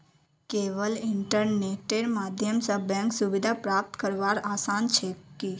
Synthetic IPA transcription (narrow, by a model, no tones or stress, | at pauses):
keʋəliɳʈəɾneʈeɾmad̪ʱjəmsəbãŋksuʋid̪ʱapɾap̚t̪kəɾʋaɾasant͡ʃʰeki